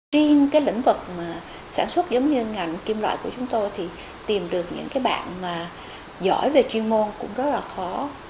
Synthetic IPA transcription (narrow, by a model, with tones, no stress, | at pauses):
i˧əŋkaː˨˦jlḭ̈˧˥ŋ̟vɨ˨˩k̚maː˨˩ | saː˧˩nswə˦˥t̚zə˨˦wŋ͡mɲɨ˧ŋa˨˩jŋ̟ki˧mlwa̰ː˧˨jku˧˩ət͡ɕʊ˨˦ŋ͡mt̪o˧jt̪ʰi˨˩ | t̪i˨˩mɗɨ˨˩ək̚ɲɨ̰˧˥ŋkaː˨˦jɓa̰ː˧˨nmaː˨˩ | zɔ̰˧˩jve˨˩t͡ɕwi˧ənmo˧nkʊ̰˧˥ŋ͡mzə˦˥t̚laː˨˩xɔ˨˦